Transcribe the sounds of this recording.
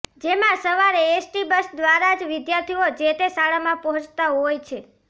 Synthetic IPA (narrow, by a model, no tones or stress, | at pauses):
d͡ʒemãsəʋaɾeesʈibəsd̪ʋaɾad͡ʒʋɪd̪jaɾt̪ʰiod͡ʒet̪esaɭamãpəɦɔ̃t͡ʃʰt̪aɦojt͡ʃʰe